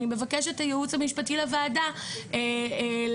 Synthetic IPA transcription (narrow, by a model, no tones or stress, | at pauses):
ime̞vakeʃetajeut͡samiʃpatilavaːdael